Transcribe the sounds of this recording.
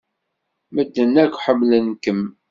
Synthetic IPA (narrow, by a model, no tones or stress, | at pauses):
məd̪ːənːækʷːħəmːlənkəm